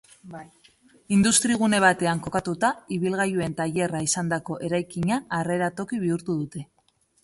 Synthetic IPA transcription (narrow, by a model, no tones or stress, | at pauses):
ind̪ust̪ɾiɣ̞une̞β̞at̪e̞aŋko̞kat̪ut̪aiβilɣ̞ajue̞nt̪aʎe̞raisand̪ako̞ʔe̞ɾajkiɲaːre̞ɾat̪o̞kiβ̞iuɾt̪uðut̪e̞